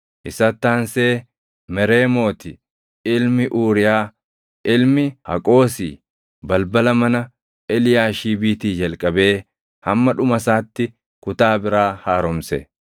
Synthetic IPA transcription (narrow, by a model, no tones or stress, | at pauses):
ʔɪsɐt̪ːaːnse̞ː | mɛɾe̞ːmo̞ːt̪ɪ | ɪlmɪʔuːɾɪjaː | ɪlmɪhɐ̰kʼo̞ːsḭː | bɐlbɐlɐmɐnɐ | ɛlɪjaːʃiːbiːt̪iːd͡ʒɐlkʼɐbe̞ː | hɐmːɐᶑʊmɐsaːt̪ːɪ | kʊt̪aːbɪɾaːhaːɾɔmsɛ̰